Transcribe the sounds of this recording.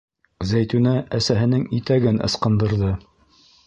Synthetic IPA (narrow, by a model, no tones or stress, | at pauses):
zæjt̪ʉnææsæɦɘ̆nɘŋit̪æɡɘnɤ̰̆sqɤ̆nd̪ɤ̆ɾðɤ